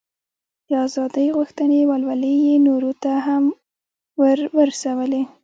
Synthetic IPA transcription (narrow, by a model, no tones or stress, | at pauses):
d̪əɑzɑd̪əjɣuxt̪ənewalwaləjenoɾot̪aɦam | wəɾwəɾsawəle